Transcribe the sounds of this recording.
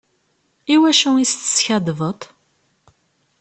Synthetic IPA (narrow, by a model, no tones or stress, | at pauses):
iwæʃuist̪ə̥sçæd̪vət̪ˤ